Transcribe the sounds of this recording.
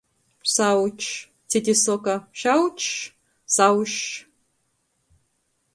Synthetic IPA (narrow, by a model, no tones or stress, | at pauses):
sawt͡ʃʰ | tʰedisokɐʃawt͡ʃʰ | saːwʃ